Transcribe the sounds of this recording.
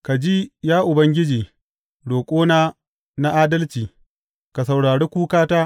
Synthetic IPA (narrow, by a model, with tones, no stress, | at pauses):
ka˨d͡ʒi˦jaː˦ʔʊ˨bɐ˦ŋɡʲɪ˦d͡ʒiː˨ | ɽoː˨kʷʼoː˦naː˦ | na˦ʔaː˦dɐ˦lt͡ʃiː˨ | ka˨sɐ˨wɽaː˨ɽeː˦kʷuː˦kaː˦taː˦